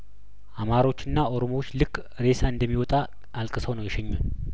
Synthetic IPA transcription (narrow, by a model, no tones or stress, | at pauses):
ʔamaɾo̞t͡ʃːɨnːao̞ɾomot͡ʃːlɨkʼ | ɾe̞saɨnd̪əmːiwɔt̪ʼa | alkʼɨsəwnəwjɛʃɛɲːun